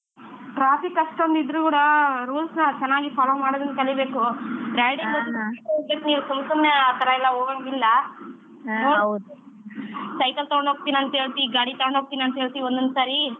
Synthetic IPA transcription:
ʈɾaːpikɐʂʈond̪id̪ɾuːkuːɽɐɾuːlsnɐt͡ʃɛnːaːɡipaːloːmaːɽod̪ɐnkɐlibe̞ːkuʈɾaːjɖimɐt̪ːʈɐkesniːʋusɐmsɐmjɐːt̪ɐɾɐilːɐɦoːɡɐɳɡilːɐ | noː | sɐjkɐlt̪ɐɡoɳɦoːɡ̚t̪iːniɐnt̪ɐɦeːɭt̪iɡaːɽit̪ɐɡoɳɖɦok̚t̪iːniɐnt̪ɦeːɭt̪iːiond̪ond̪usaːɾi

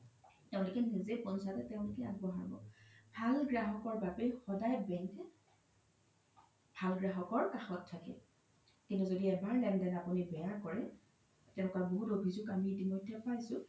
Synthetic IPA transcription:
tɛʊ̃lʊkɛnizepɔnsatɛtɛʊ̃lʊkɛaɡ̚bɔɦa̰ɹbɔ̰bʱalɡɹaɦɔkɔɹbapejxɔdajbɛŋɛ | bʱalɡɹaɦɔkɔɹkaxɔtʰːakɛ̰ | kintuzodiɛbaɹlɛndɛnapunibɛjakɔɹɛ | tɛʊ̃nkaboɦutobʱizukamiːtimɔjdʱːɛpajsʊ̃

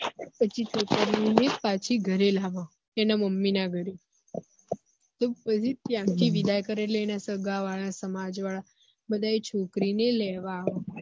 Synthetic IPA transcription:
pət͡ʃʰit̪okəɾinepat͡ʃʰiɡʱəɾelaʋã | enaməmːinaɡʱəɾe | t̪opət͡ʃʰit̪jãt̪ʰiʋid̪ajkəɾeleenasəɡaʋaɭasəmad͡ʒʋaɭa | bəd̪aet͡ʃʰokɾinelɛʋaːʋã

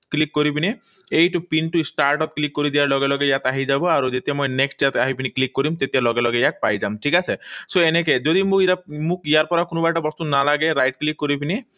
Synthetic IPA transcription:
klikːoɾibine | ejʈupinʈusʈaɾʈɔp̚klikːoɾid̪iaɾlɔɡelɔɡejat̪aɦid͡ʒabɔaɾud͡ʒet̪ijamɔjneksʈjat̪aɦibiniklikːoɾimt̪et̪ijalɔɡelɔɡejak̪̚pa̰jd͡ʒamʈʰikasesoenek̬ed͡ʒod̪imũiamũkijaɾpɔɾakunubaʈabɔst̪unalaɡeɾajʈ̚klikːoɾibine

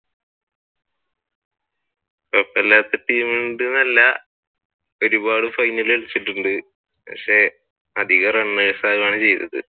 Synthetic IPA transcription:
pɐpːɐlːaːt̪ːeʈiːmeɖɨnɐlːɐ | o̞ɾubaːɽɨfɐjnːɐleɭit͡ɕːiʈːuɳɖɨ | pɐ̰kʂe̞ | ɐd̪ʱiɣɐrɐɳːɐɐsaːɣɐmaːɳɨt͡ɕe̞jt̪ːɐ̰ðɨ̰

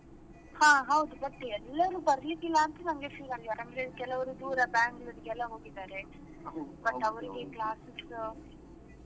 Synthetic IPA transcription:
hãːɦɐwd̪ubɐʈːɛlːɐʋɐɾubɐɾijɐd̪ilːaːnt̪ɐnɐŋɡefiːɾɐnaɾɐmɾeðkːɛlːɐʋɐɾud̪uːɾɐbaːŋɡɐd̪ɯkɛlːaɦoːɡit̪aːɾe | bɐʈːɐʋɐɾiɡeklaːsɪs

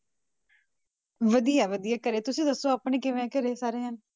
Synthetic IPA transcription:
ʋəd̪ijaːʋəd̪ijaːkəɾeːt̪ʊsĩːd̪əsːoːaːpɳẽːkɪʋ̃ːkəɾeːsaːɾeːɦən

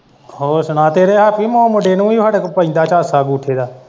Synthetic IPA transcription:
ɦoːsənãːt̪eːɾeːɦaːpiːmõːmʊɖeːnũːiːaːɖekpəɪ̃nd̪aːt͡ʃaːsaːɡuːʈʰeːd̪aː

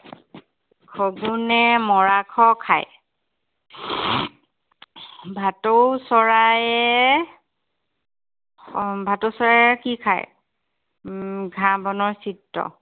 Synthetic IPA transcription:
kʰoɡunɛmɔɹakʰɔkʰa̰j | bʱatowsɔɹajɛ | bʱatowsɔɹaɛkikʰa̰j | ɡʱãbɔnɔɹsitːɔ̰

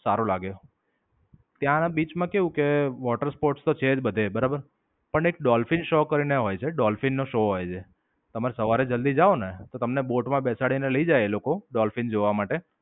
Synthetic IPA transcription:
saɾolaɡeo | t̪jãnabit͡ʃmãkeʋũkeʋɔʈəɾspoɾʈst̪ot͡ʃʰed͡ʒbəd̪ʱebəɾabəɾ | pəɳekɖɔlfinʃokəɾineɦojt͡ʃʰeɖɔlfinːoʃoɦojt͡ʃʰe | t̪əmaɾesəʋaɾed͡ʒəld̪id͡ʒaonet̪ot̪əmneboʈmãbɛsaɽineləid͡ʒajelokoɖɔlfind͡ʒoʋamaʈe

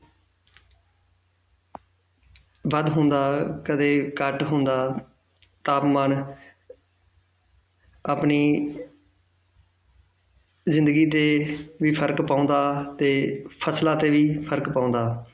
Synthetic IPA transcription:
ʋəd̪ɦʊ̃nd̪aːkəd̪eːkəʈɦʊnd̪aː | t̪aːpmaːn | aːpniː | zɪ̃nd̪əɡiːt̪eːʋiːpʰəɾkpãːʊ̃nd̪aːt̪eːpʰəslaːt̪eːʋiːpʰəɾkpaːʊ̃ːnd̪aː

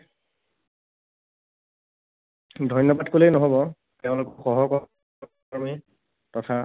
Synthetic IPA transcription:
dʱɔjnjɔbadkolenɔɦɔbɔ | teʊ̃lʊkɔxɔɦɔkɔ | ɔmi | tɔtʰa

